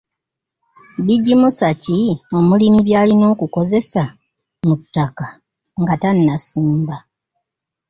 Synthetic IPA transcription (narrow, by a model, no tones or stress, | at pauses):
biɟːimusacio̞mulimiβjaːlino̞ːkuko̞ze̞sa | mutːaka | ŋɡatanːasiːmba